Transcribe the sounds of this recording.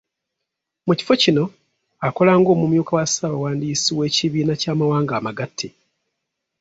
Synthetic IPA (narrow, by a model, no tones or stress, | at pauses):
muci̥fo̞cino̞ | ako̞laːŋɡo̞ːmumjuːkawasaːβawaːndiːsiwe̞ːciβiːnacaːmawaːŋɡaːmaɡatʰːe